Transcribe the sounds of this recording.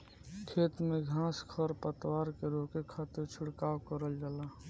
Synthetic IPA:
kʰeːt̪meɡʱãːskʰəɾpət̪waːɾkeɾokekʰaːt̪ɪɾt͡ʃʰʊɽkaːwkəɾəld͡ʒalaː

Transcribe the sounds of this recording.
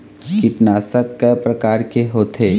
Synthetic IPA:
kɪʈnaːsəkːɛpɾɐkaːɾkeɦoːt̪ʰeː

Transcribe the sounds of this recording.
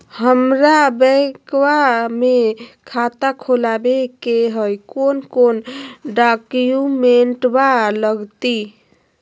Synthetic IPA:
həmɾabəkwamekʰat̪akʰolabekeɦəjkonkonɖakjumeɳʈbaləɡt̪i

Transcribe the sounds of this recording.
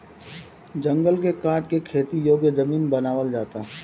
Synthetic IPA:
d͡ʒɐ̃ŋɡəlkekaːɾʈ̚kekʰeːt̪ijoːɡjəzɐmiːnbɐnaːʋəld͡ʒaːt̪aɦ

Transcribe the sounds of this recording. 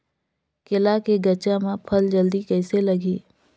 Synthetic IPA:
kɪlakeɡət͡ʃãmãpʰəld͡ʒəld̪ikɛːselɐɡiː

